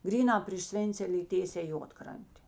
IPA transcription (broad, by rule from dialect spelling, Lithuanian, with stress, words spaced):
ˈɡrʲiːnɑː pʲrʲɪʃ ˈsʲʋʲeːnʲt͡sʲɛlʲeː iː ˈtʲeːsʲɛː ˈjuɔtkrɐnʲtʲeː